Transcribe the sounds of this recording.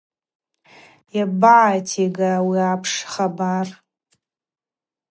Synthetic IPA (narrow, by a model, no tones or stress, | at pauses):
jabaʕːjtʰeɡawiapʰʂχabar